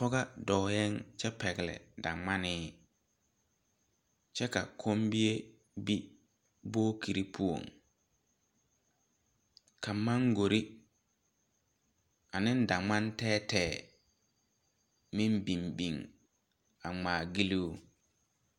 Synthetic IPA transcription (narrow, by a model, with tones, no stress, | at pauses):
pɔ˦ɣa˦dɔː˨jɛ˦ŋt͡ʃɛ˦pɛ˨ɡɪ˨lɛ̰˨da̰˨ŋ͡ma˦nɪː˦ | t͡ʃɛ˦ka̰˨kʰo˦mbi˦e˦ | bi˦ | boː˦kʰi˨ɾi˦pʰu˦o̰˨ŋ | kʰa˨ma˦ŋɡo˨ɾi˦ | a˨nɪ̃˦n˦da˨ŋ͡ma˦ntɛː˦tɛː˨ | mĩ˦mbi˨mbi˨ŋ | a˨ŋ͡maː˨ɡi˦li˦u˦